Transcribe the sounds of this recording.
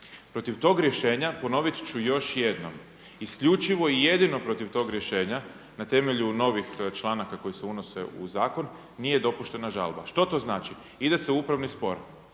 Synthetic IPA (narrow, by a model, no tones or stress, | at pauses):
pɾo̞t̪iʋt̪o̞ːɡɾje̞ʃe̞ːɲapo̞no̞ʋit̪t͡ɕujo̞ʃje̞d̪no̞̰m | iskʎʲut͡ʃiʋo̞ije̞d̪ino̞pɾo̞t̪iʋt̪o̞ːɡɾje̞ʃe̞ːɲa | nat̪e̞me̞ʎuno̞ʋixt͡ʃlˠaːnakako̞jiseunose̞̰ṵzaːko̞nː | ije̞d̪o̞puʃt̪e̞naʒa̰lˠba̰ʃt̪o̞t̪o̞znaːt͡ʃi | id̪e̞seupɾaʋnispo̞̰ɾ